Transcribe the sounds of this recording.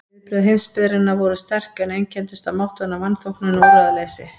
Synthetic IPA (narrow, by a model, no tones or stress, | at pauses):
ɪpɾʏðɦejmspɪðɾɪnːavɔɾʏst̪ɛr̥kɛnejncʰɛnt̪ʏst̪amawht̪ʏnːavanːfowhknʏnaɔːɾaðalejsɪ